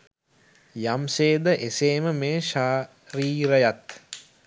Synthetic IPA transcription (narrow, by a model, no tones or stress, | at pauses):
jamseːd̪əʔeseːməmeːʃa | ɾiːɾəjat̪